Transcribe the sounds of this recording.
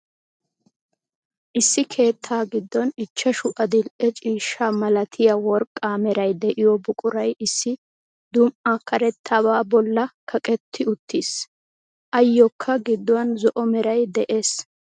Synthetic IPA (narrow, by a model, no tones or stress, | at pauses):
ʔɪsːɪkʰe̞ːt̪ʰːaːɡɪd̪ːɔnɪt͡ʃːɐʃʊʔɐd̪ɪlʔɛt͡ʃʼiːʃːaːmɐlɐt̪ʰɪjɐwɔɾkʼːaːmɛɾɐjd̪ɛʔɪjɔbʊkʼʊɾɐjɪsːɪ | d̪ʊmʔakɐɾɛt̪ʰːaːbaːbɔlːɐkʰɐkʼɛt̪ʰːɪʊt̪ːis | ʔɐjːɔkʰːɐɡɪd̪ːɔwɐnzɔʔɔmɛɾɐjd̪ɛʔe̞ːs